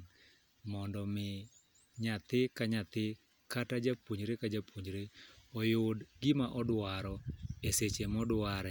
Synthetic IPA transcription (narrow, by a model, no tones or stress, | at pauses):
mɔndɔmɪ | ɲat̪ɪkaɲat̪ɪ | katad͡ʒapwoɲɾekad͡ʒapoɲɾeɔjoʊdɡɪmaʔɔdwaɾɔeset͡ʃemɔdwaɾɛ